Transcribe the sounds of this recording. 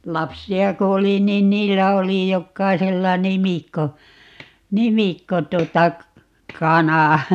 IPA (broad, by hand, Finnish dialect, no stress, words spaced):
lɑpsiɑ ko oli niːn niːlːæ oli jokːɑiselːɑ nimikːo nimikːo tuotɑ kɑnɑ